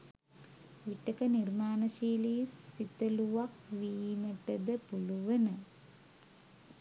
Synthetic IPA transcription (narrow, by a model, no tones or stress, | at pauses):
ʋiʈːɐkɐnirmaːnɐʃiːlisit̪ɐluʋakʋiːmɐʈɐd̪ɐpuluʋɐnɐ